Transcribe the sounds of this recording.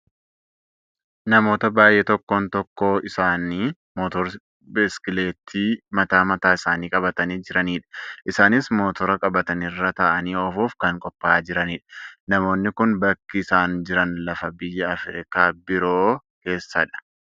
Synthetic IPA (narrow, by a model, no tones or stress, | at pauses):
nɐmo̞ːt̪ɐbaːjːeːt̪ɔkːoːnt̪ɔkːoːɪsaːniː | moːt̪ɔɾ | bɛskɪle̞ːt̪ʰiːmɐt̪aːmɐt̪aːɪsaːniːkʼɐbɐt̪ɐniːd͡ʒɪɾɐniːᶑɐ̥ʔɪsaːnɪsmo̞ːt̪ɔɾɐkʼɐbɐt̪ɐnɪrːɐt̪ɐʔɐniːɔfuːfkɐŋkʼɔpːaːd͡ʒɪɾɐniːᶑɐ̥nɐmo̞ːnːɪkʊnbɐkːɪɪsaːnd͡ʒɪɾɐnlɐfɐbɪjːɐɐfɛɾɪkaːbɪɾoː | ke̞ːsːɐᶑɐ̥